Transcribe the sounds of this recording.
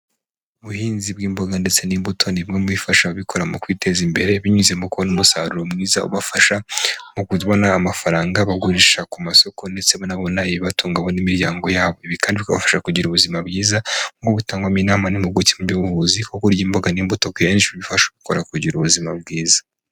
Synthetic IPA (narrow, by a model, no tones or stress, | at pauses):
uβuhiːnzibɡiːmbo̞ɡande̞t͡se̞niːmbutʰo̞niŋemwifaʃaβikʰo̞ɾamukwiːtʰe̞zimbe̞ɾe̞βiɲuzemukuβonumusaːɾuɾo̞mŋiːza̰ṵβafaʃamukuβonaːmafaɾaːŋɡaβaɡuɾiʃakumaso̞ko̞nde̞t͡se̞βanaβo̞naiβiβatuːŋɡaβo̞nimiɾjaːŋɡo̞jaːβo̞iβikaːndiβikaβafḁʃakuɟiɾuβuzimabɡiːzaŋɡoβutaːŋɡwaminaːmanimuɡucemubjuvuzikokoɾjiːmbo̞ɡaniːmbutokanit͡ʃiβifaʃaβiko̞ɾakuɟiɾuβuzima̰b̚ɡiːzḁ